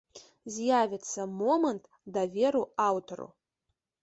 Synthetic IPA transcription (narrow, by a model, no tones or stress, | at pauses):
zjavʲɪt͡sʰɐmomɐntʰʼ | davʲeɾuawtʰorṵ